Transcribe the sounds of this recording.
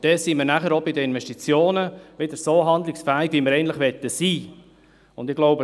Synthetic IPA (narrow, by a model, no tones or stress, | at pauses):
d̥ɛsiməɾnæχəɾobɪd̪əɪnʋɛʃtit͡sjoːnəʋɪd̪əɾsoːɦɑnd̪lɪksfæːɪɡʋiməɾɛnt̪lɪχʋɛt̪ːəsiː | ʊndɪɡ̥loʊbə